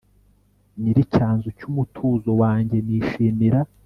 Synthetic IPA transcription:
niɾicaːnzucumutʰuːzo̞waːɲɟe̞niːʃiːmiɾa

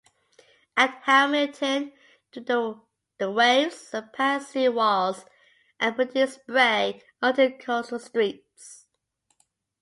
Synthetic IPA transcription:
ʔət̚hæmətʰə̃n | tʰuðə | ðəweɪvz̥əpʰɛsiwɔlˠz | ʔə̃npʰɹ̥ədʉsb̥ɹeɪ | ʌdəkʰɔsəlˠstɹ̥ip | s

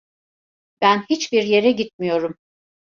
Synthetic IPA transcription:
b̥ænhit͡ʃbiɾje̞ɾɛɟit̪̚mijo̞ɾum

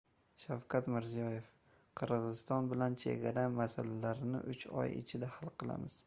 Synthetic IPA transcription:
ʃawkʲʰat̪mɪɾzijɒje̞f | qʰɨɾʁɨzɪst̪ɒnbɪlant͡ʃʰe̞̰ɡʲaɾamasalalaɾɪnɪ̰ʔʊt͡ʃɒ̰jɪ̰t͡ʃʰɪd̪ahalˠqʰɨlˠa̰mɪz̥

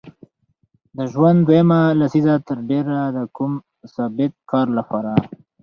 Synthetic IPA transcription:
d̪əʒwand̪d̪wajəmalasizat̪əɾɖeɾad̪əkum | sɑbɪt̪̚kʰɑɾlapɑɾa

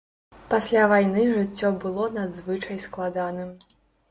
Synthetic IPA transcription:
pasʲlʲavajnɨʐɨt͡sʲːɔbɨlˠɔnad̪zvɨt͡ʂɐjsklˠad̪anɨm

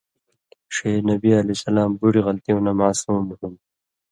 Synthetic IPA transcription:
ʂeːnɐbiɐlisɐlaːmbuɽiɣɐlt̪iõːnamaːsuːmɦun

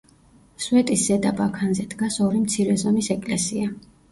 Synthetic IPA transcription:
swɛt̪ʼisz̥ɛd̪abakʰanzɛd̪ɡasɔɾimt̪sʰiɾɛzɔmisɛkʼlɛsia

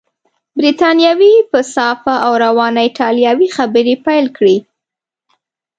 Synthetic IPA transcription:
bɾit̪ɑnjɑwipəsɑfaʔawɾawɑnaɪʈɑljɑwixabəɾepajlkɽi

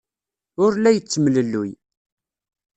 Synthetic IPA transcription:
ʊɾlæjət͡sːmləlːuj

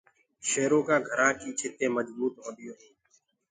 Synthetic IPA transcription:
ʃeːɾõːkãːɡʱəɾãːkiːt͡ʃʰɪt̪ẽːməd͡ʒbuːt̪ɦõːnd̪ɪjõː

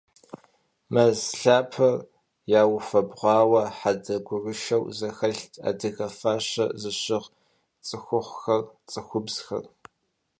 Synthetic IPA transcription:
mɐzɬaːpʰɐr | jaːwʊfɐbʁʷɑːwɐħadɐɡʷʊrɨʃɐwzɐxɐɬtʰa̰ːdɨɣɐfaːɕɐ̰zɨɕɪʁ | t͡sʼɨxʷʊχʷxɐrt͡sʼɨxʷʊbz̥xɐ̰r

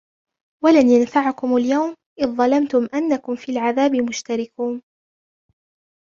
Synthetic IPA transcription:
walanjanfaʕakʊmaljawm | ʔɪðːˤɑlamt̪ʊmʔanːakʊmfiːlʕaðaːbɪmʊʃt̪aɾɪkuːn

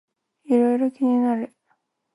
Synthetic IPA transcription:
iɾo̞iɾo̞kʲiɲ̟inaɾɯ̟

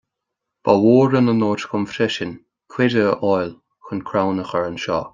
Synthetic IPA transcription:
b̥awoːɾənənoːtxʊmfɾɪʃən | kʰwɪdəʔɔjl | xʊnkʰɾawnəxəɹənʃɔ̰ː

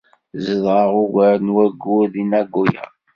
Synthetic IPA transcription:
zəðʁəʁʊɡəɾənwæɡːʊðinæɡːujə̰

